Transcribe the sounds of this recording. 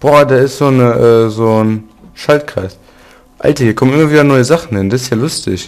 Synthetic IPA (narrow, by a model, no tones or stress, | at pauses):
b̥ɔɐdeːɐɪstz̥oːnəʔɛːzoːn | ʃaltkʁ̥a̰ɪs | ʔa̰ltɐhiːɐkʰɔmnʔɪmɐviːdɐnɔʏəzaχn̩hɪnd̥asɪstjaːlʊstɪ̰ç